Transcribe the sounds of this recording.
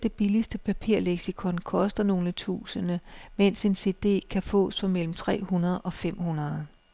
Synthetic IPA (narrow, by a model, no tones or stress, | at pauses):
d̥e̝b̥ilisd̥əpʰæpʰiɐ̰leɡ̥sikʰɒ̽nkʰɒ̽sd̥ɐno̝ːlət͡sʰṵːsənəmen̰se̝nse̝ːd̥e̝̰ːkʰæfɔ̰̽ːsfɒ̽mel̰m̩t͡sʰʁɛ̰ːhunɐð̞̩ˠɒ̽fem̰hunɐð̞ˠ